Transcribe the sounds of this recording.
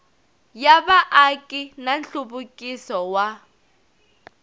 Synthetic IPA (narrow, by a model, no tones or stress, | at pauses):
jaβaʔakʼinanɬuβukʼisɔwa